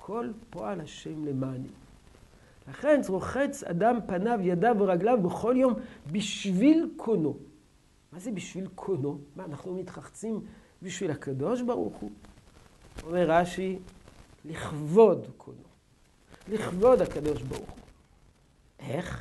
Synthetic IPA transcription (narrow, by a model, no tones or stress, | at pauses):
kʰo̞lpoalhaʃemlemani | laχe̞nt͡sʁoχet͡sa̰dampanavjadaveʁaɡlavbeχo̞ljo̞mbiʃvilkʰono̞ | mazebiʃvilkʰonomaːnaχnumit̪χaχt͡sim | biʃvilhakad̪o̞ʃbaʁṵχu | omeʁːaʃi | liχvo̞dkʰo̰no | liχvo̞d̪hakad̪o̞ʃba̰ʁṵχu | ʔeχ